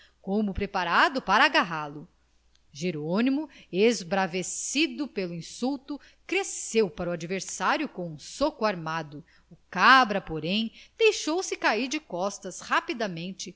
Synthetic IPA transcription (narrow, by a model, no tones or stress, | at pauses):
kõmʊpɾepaɾad̪ʊpaɾɐːɡaɦalʊ | ʒeɾonimʊezbɾavesid̪ʊpelʊĩsuwt̪ʊ | kɾesewpaɾʊad͡ʒiveɾsaɾjʊkõũsokuaɾmad̪ʊ | ukabɾɐpoɾẽj̃d̪̥ejʃowsɪkaiɾd͡ʒɪkɔst̪ɐshapid̪ɐmẽnt͡ʃɪ